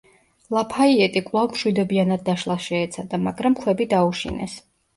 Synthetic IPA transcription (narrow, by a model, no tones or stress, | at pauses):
lˠapʰaiɛt̪ʼikʼvlˠavmʃwid̪ɔbianad̪̚ːaʃlˠaʃɛːt̪sʰad̪amaɡɾamkʰwɛbid̪auʃḭnɛs